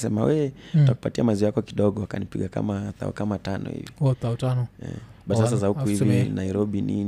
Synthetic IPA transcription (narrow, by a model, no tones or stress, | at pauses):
sɛmawɛtaku̥patiamaziajakɔkiɗɔɠɔwakanipiɠaka̰maθa̰ɔ̰kamatanɔ̰hḭviθatanɔɛ̰ɓatasazahukuhivinaiɾɔɓini